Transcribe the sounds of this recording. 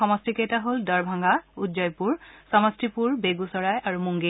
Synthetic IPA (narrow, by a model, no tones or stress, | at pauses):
ɔmɔstikejtaɦoldɔɹbʱaŋɡaudd͡ʒɔjpuɹsɔmɔstipuɹbeɡusɔɹajʔaɹumuŋɡe